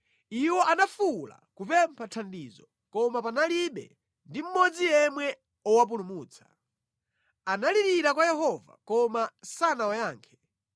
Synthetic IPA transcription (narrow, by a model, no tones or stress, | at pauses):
iwɔʔanafula̰kupɛmpʰatʰandiːzɔ | kɔmapanaliɓɛ̰ | ndim̩mɔd͡zijɛmwɛ | ɔwap̬ulumuːt͡sʰḁ | analiɾiɾakwajɛhɔva̰kɔmasanawajaːŋkʰɛ̥